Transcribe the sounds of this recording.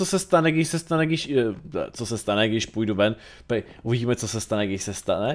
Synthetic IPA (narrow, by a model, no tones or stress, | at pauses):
osɛst̪anɛɡdɪʃsɛst̪anɛɡdɪʃt͡sosɛst̪anɛɡdɪʃpujduvɛn | pɛ | ʔuviɟiːmɛt͡sosɛst̪anɛɡdɪʃsɛst̪anɛ